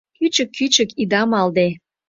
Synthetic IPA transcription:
kyt͡ɕəkʰːyt͡ɕəkid̪ɑmɑld̪e

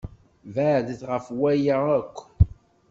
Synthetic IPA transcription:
vædəθʁəfwæjaəkʷː

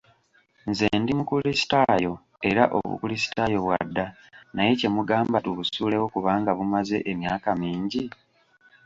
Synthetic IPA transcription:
nze̞ːndimukulisi̥tajo̞ | e̞ɾaʔo̰βṵkulisi̥tajo̞βwa̰dːa | naje̞ce̞muɡaːmbatuβusuːle̞wokuβaːŋɡaβumaze̞ʔemjaːkamiːɲɟi

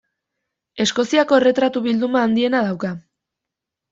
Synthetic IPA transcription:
e̞sko̞siako̞ere̞t̪ɾat̪uβild̪umaːnd̪ie̞naðawka

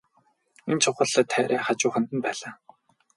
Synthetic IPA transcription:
ent͡ɕʰʊχə̆ɮə̆t̪ʰːæːɾæːχat͡ɕʊːχə̆nt̪ɘ̆npæːɮaː

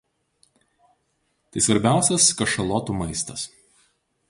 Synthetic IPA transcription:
t̪ɐɪsʋɐɾʲbʲæˑʊsʲɛskɐʃɐlˠɔt̪uːmɐɪst̪ɐs

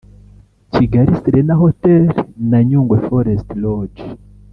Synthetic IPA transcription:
ciɡaɾisiɾenaɦotelnaɲuːŋɡwefoɾestlod͡ʒ

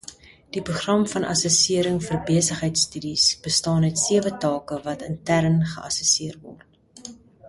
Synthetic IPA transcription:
d̥ipruχrɐmfɐnʔɐ̰səsiəɾəŋfərbiəsəχɦəjtstydisb̥əstɑːnœɥtsiəvətɑːkəvɐtʰəntæɾnχə̰ʔɐ̰səsiərvɔ̰rt

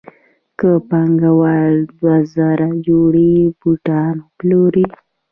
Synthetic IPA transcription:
kəpaŋɡawald̪wazaɾad͡ʒoɽibuʈɑnoploɾi

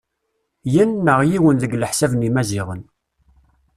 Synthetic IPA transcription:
jənːəʁjiwənðəɡləħsævənimæziʁən

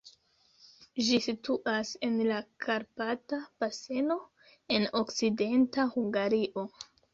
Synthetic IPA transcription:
ʒisituʔase̞nlakʰaɾpatab̥ase̞no̞ | e̞no̞kside̞ntahuŋɡaɾiʔo

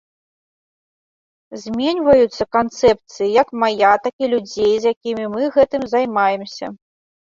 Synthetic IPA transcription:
zʲmʲenʲvɐjut̪sːɐkant̪sɛp̚t̪sɨjijɐkmajat̪akʲilʲud͡zʲejzjakʲimʲimɨɣɛt̪ɨmzajmajɛmsʲɐ̰

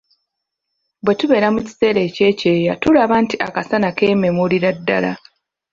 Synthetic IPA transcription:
bwe̞tuβe̞ːɾamuci̥se̞ːɾe̞ːce̞ːce̞ːjatulaβaːntiʔa̰kasanakeme̞muliɾadːa̰la̰

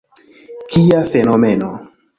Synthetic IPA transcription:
kiafenomeno

